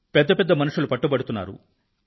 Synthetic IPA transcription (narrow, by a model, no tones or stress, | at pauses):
pɛd̪ːɐpɛd̪ːɐmɐnuʂulupɐʈːubɐɽut̪unːa̰ːɾṵ